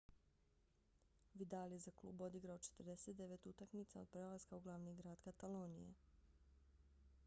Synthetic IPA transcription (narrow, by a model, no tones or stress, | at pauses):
ʋid̪aljezaklˠṵːbo̞d̪iɡɾao̞t͡ʃet̪r̩d̪e̞set̪d̪e̞ʋe̞t̪ut̪akmit̪sao̞d̪̚pɾelˠazkauɡlˠaʋniɡɾaːd̪kat̪alo̞ːnijḛ